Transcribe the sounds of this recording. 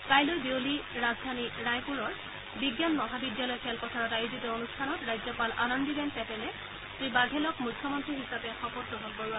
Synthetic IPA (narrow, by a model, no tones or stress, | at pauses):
kajlojbewliɹazdʱaniɹajpuɹɔɹ | biɡjanmɔɦabidjalɔjkʰɛlpɔtʰaɹɔtajuzitɔonustʰanɔtɹajzjɔpalʔa̰nɔndibɛnpɛtɛlɛ | sɹibaɡʱɛlɔkmujkʰːɔmɔntɹiɦisapɛxɔpɔtɹɔɦɔlkoɹʊa